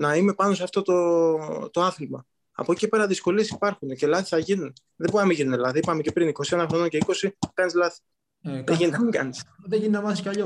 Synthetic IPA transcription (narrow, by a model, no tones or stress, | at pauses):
nɐime̞pɐno̞sɐft̪o̞t̪o̞t̪o̞ɐθlmɐ | ɐ̰po̞cicepe̞ɾɐðisko̞lie̞si̥pɐɾxunece̞lɐθi̥sθɐʝinun | ðebonɐmiʝinunelɐθiipɐme̞cepɾiniko̞sie̞nɐxɾono̞ŋce̞iko̞sikɐnizlɐθi̥ | ðeʝiniɐɡɐnisðeʝininɐmɐθiscɐʎo